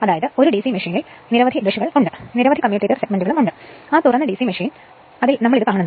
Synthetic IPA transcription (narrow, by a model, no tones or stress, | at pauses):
ɐðaːjɐðɨo̞ɾuɖisimeʂiːnil | niɾɐʋɐd̪ʱid̪uʂuɣɐɭuɳɖɨniɾɐʋɐd̪ʱikɐmjuːʈitːɐrseɡmeɳɖuɣɐɭumuɳɖɨ | aːt̪urɐnːɨɖisimeʂiːn | ɐðilnɐmːɐɭiðɨkaːɳunː